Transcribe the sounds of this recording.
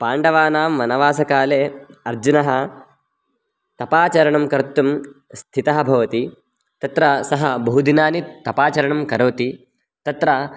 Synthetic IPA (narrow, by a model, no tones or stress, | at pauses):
paːɳɖɐʋaːnaːmːɐnɐʋaːsɐkaːleːɐɾd͡ʒunɐɦɐ̆ | t̪ɐpaːt͡ʃɐɾɐɳɐmkɐɾt̪ːumst̪ʰit̪ɐɦɐbʱɐʋɐt̪i | t̪ɐt̪ɾɐsɐɦɐbɐɦud̪inaːnit̪ɐpaːt͡ʃɐɾɐɳɐmkɐɾoːt̪i | t̪ɐt̪ɾɐ